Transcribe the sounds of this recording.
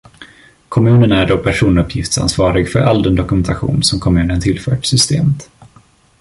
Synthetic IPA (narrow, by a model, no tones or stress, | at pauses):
kʰɔmʉ̟ːnənæɖopʰæʂuːnɵpʰjɪft̪sa̰nsvɑːɾɪɡfœɾʔald̪ɛnd̪ɔkɵmɛnt̪aɧṵːnsɔmkʰɔmʉ̟ːnənt̪ʰɪlfœ̰ːʈsʏst̪eːmət̪